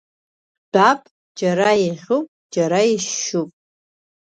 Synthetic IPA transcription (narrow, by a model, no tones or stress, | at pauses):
b̥apʼ | d͡ʒaɾajiʁʲopʼd͡ʒaɾaiʃʃupʼ